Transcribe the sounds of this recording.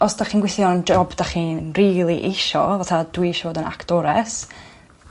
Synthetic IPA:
ɔsd̥aχiːnɡwɪθjɔnd͡ʒɔbdaχiːnriːlˠiʔɪʃɔvatʰad̥wiɪʃɔvoːdəna̰kʰd̥ɔɾɛ̰s

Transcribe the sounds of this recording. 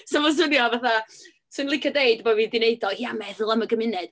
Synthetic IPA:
sɔmɔs̬ʊnjɔvaθa | sɨnlˠɪkʰadejdbɔviːðdɪneɨdɔhiamɛðlˠəməɡəmɪnɛd̥

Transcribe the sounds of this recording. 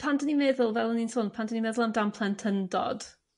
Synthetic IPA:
pʰandənimɛðʊlˠvɛlˠəninsʊnpʰandənimɛðʊlˠamdampʰlˠɛntʰəndɔ̰d̥

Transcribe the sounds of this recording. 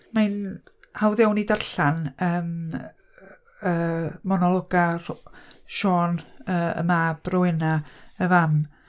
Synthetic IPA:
man | hawðɛwnidarɬanəːm | əːmɔnɔlˠɔɡarʃɔːnəːə̰maːb̥rɔwɪnaəvam

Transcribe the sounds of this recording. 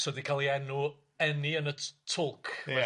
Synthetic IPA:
sɔdikʰalˠiɛnu | ɛniənətʰʊlˠkʰ

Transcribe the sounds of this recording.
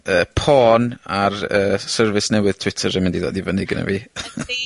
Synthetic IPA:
əːpʰɔːnarəːsərvɪsnɛwɪð̥tʰwɪtʰəɾəmɪndido̰ːdivənɪɡə̰nɛ̰viː

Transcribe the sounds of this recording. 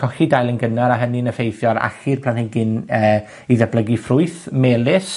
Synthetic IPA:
kʰɔxidajlˠənɡənaɾaɦəninəfejθjɔɾa̰xirpʰlaniɡɪnəː | iðɛblˠəɡifrʊɨθmeːlˠɪs

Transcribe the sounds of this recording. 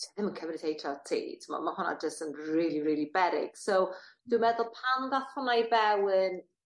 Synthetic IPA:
ðɪmənkʰəvnɪθejtʰɔtʰḭːtʰɪmɔ̰dmahʊna̰d͡ʒəstənriːlˠiriːlˠibɛɾɪ̰ɡ̥sowd̥wɨmɛðʊlˠpʰanðaθʊnajvɛwən

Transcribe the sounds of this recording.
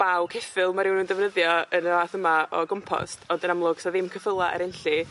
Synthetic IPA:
b̥awkʰɛfɪlˠmaɾɪwnuːndɛvnəðjɔənəaːθəmaɔ̰ɡɔmpʰɔ̰stʰɔdənamlˠʊɡ̥sɔðɪmkʰəfəlˠaɛ̰ɾɪnɬi

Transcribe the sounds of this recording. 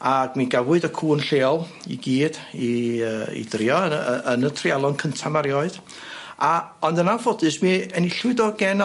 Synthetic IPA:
aɡ̥miɡawɨdəkʰuːnɬeːɔlˠ | ḭɡiːdiəːḭðrjɔnənətʰrialˠɔnkʰəntʰamaɾjɔɨd̥ | aɔndənanfɔdɨsmiɛniɬwɨdɔɡɛn

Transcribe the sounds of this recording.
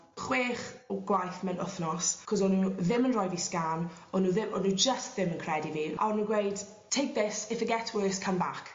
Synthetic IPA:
χweːχɡ̥wajθmənʊθnɔskʰɔsɔnuðɪmənrɔjviskanɔnuːðɪmʔɔnud͡ʒəstðɪmənkʰr̥ɛdiviːʔa̰ɔnuːɡwejd̥ | tʰejk̚ðɪsɪfəɡɛtʰwəðɪskʰəmbakʰ

